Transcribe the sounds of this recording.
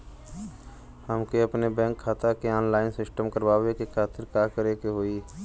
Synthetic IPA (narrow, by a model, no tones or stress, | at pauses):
həmkeɐpnebɛ̃ːŋkʰːaːt̪akeɔːnlaːɪnsɪsʈəmkəɾʋaːwekekʰaːt̪ɪɾkaːkəɾekeɦoːiː